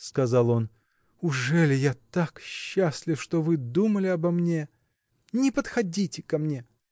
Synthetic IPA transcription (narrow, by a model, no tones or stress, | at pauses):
skɐzɑlˠo̞n | ʊʐɛlʲɪjat̪akɕːaslʲɪfʂt̪o̞vɨd̪uməlʲɪɐbɐmnʲe | nʲɪpət̪xɐdʲitʲɪkɐmnʲe̞